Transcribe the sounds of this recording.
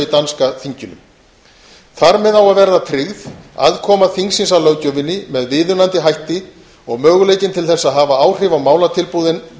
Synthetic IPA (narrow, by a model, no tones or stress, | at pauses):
it̪anskaθiɲcʏnʏ̰m | θaɾmɛðawaðvɛɾðat̪ʰɾɪɣða̰ðkʰɔːmaθiŋksinsalœɥcœvɪnːɪmɛðvɪːðʏnant̪ɪɦajht̪ɪ | ɔɣmœːɣʏleːjcɪnt̪ʰɪlθɛsːaðɦaːvaaːwr̥ɪvawmaːwlat̪ʰɪlpuðɪn